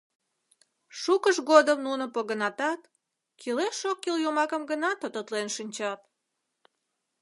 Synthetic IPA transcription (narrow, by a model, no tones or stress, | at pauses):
ʃukəʃɡod̪əmnunə̆poɣənɑt̪ɑt̪ | kʰileʃokːiljomɑkəmɡənɑt̪ot̪ət̪lenʃinʲt͡ɕɑt̪̚